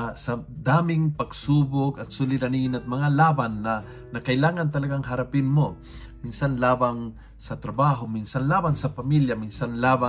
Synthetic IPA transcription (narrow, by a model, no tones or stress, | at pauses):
sɐd̪aːmɪŋpɐɡsuːboɡɐt̪̚sulɪd̪ɐniŋɪnɐt̪̚mɐŋalaːbanːɐ | nɐkɐʔɪlaːŋɐnt̪ɐlɐɡaŋɦɐɾɐpɪnmo̞ | minsanlaːbaŋ | sɐt̪ɾɐbaːɦo̞minsanlaːbansɐpɐmiljɐminsanlaːba